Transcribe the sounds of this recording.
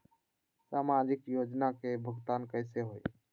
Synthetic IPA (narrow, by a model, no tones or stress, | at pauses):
saːmaːd͡ʒɪkjoːd͡ʒnakebʱəɡt̪aːnkəɪseɦoːi